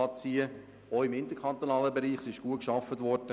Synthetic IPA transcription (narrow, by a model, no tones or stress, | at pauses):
ɑt͡siə | oɪmɪnt̪əɾkʰɑnt̪onɑːləbɛɾiːχsɪʃɡ̥uəkʃɑfːətʋɔɾd̥ə